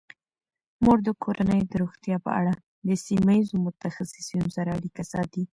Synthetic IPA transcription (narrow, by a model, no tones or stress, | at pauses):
moɾd̪əkʰoɾʔanəjd̪əɾoxt̪jɑpə̰ʔa̰ɽa | d̪əsimaizomʊt̪axasɪsjunsaɾaaɽikasɑ̰t̪i